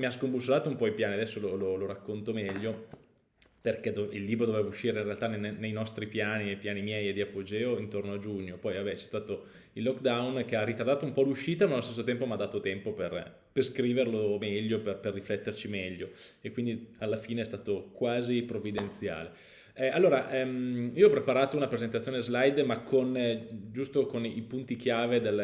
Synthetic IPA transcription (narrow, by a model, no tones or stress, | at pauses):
miaskombusːolaːt̪oumpɔipjaːniad̪ɛsːolololoɾakːont̪omɛʎːo | perkɛd̪oilːiːbɾod̪oveːvauʃːiːɾeinrealt̪annejnɔst̪ɾipjaːniepjaːnimjɛjed̪iapːod͡ʒeːoint̪ornoad͡ʒuɲːopɔjvabɛt͡ʃɛ̥st̪aːt̪o | ilːɔkːd̪awnk̟earːit̪ard̪aːt̪oumpɔluʃːiːt̪amalːost̪es̬ːot̪ɛmpomad̪aːt̪ot̪ɛmpoper | perskɾiːverlomɛʎːoperperːiflɛt̪ːert͡ʃimɛʎːoekːwind̪ialːafiːneɛst̪aːt̪okwaːzipɾovid̪ent̪sja̰ːle | alːoːɾaʔɛmiːoɔpɾepaɾaːt̪ounapɾezent̪̬at̪sjoːnezlajd̪makʰːond͡ʒust̪okonipunt̪ikjaːved̪el